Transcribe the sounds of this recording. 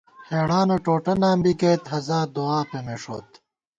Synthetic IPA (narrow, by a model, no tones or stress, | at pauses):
heːɽaːnoʈoːʈɐnaːmbiɡeːt̪ɦɐzaːd̪oaːpemeʂo̰ːt̪